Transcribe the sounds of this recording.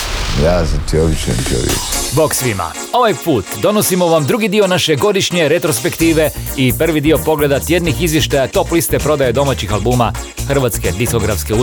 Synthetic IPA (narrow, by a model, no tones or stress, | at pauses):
jazat̪ʰioʋit͡ʃḛnt̪o̰ɾḭṵbo̞ksʋima̰ | o̞ʋajpuːt̪d̪o̞no̞simo̞ʋamd̪ɾuɡid̪io̞naʃe̞ɡo̞d̪iʃɲe̞ɾe̞t̪ɾospe̞kt̪iːʋe̞ipr̩ʋid̪io̞po̞ɡle̞d̪at̪je̞d̪nixizʋje̞ʃt̪ajat̪o̞plist̪e̞pɾo̞d̪ajed̪o̞mat͡ɕixalbuːma | xr̩ʋat̪ske̞d̪isko̞ɡɾafske̞u